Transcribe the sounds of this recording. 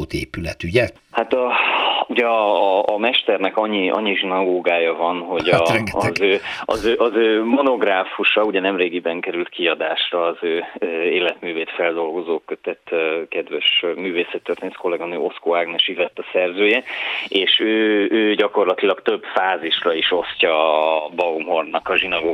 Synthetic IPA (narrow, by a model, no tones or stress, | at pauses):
oːt̪eːpylɛt̪yɟɛ | hat̪ɒuɟɛɒːmɛʃt̪ɛrnɛkɒɲːiɒ̰ɲːiʒinɒɡoːɡaːjɒvɒnɦo̞ɟɒɛɒzøːɒ̰zøːʔɒzøːmo̞no̞ɡraːfuʃɒuɟɛnɛmreːɡibɛŋkɛɾylt̪kiɒd̪aːʃrɒːzøːeːlɛt̪myːveːt̪fɛld̪o̞lɡo̞zoːkøt̪ɛt̪ːkɛd̪vɛʃmyːveːsɛt̪ːørt̪eːnt̪ko̞lɛɡɒnø̰ːʔo̞skoːaɡnɛʃivɛt̪ːɒsɛrzøːjɛeːʃøːøːɟɒko̞rlɒt̪ilɒkt̪ø̞bfaːziʃrɒiʃo̞scɒbɒomo̞rnɒkɒʒinɒɡoː